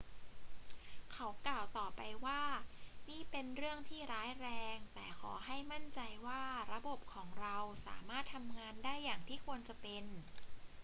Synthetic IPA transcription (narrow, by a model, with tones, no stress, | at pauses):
kʰa˦˥wklaː˨˩wt̪ɔː˨˩pa˧jwaː˥˩niː˥˩pe˧nɾɯ˥˩əŋt̪ʰiː˥˩ɾaː˦˥jɾɛː˧ŋt̪ɛː˨˩kʰɔː˩˦ɦa˥˩jma˥˩nt͡ɕa˧jwaː˥˩ɾa˧bo˨˩p̚kʰɔː˩˦ŋɾa˧wsa̰ː˩˦maː˥˩t̪ʰːa˧mŋaː˧ndaː˥˩jːaː˨˩ŋt̪ʰiː˥˩kʰu˧ənt͡ɕa˨˩pe˧n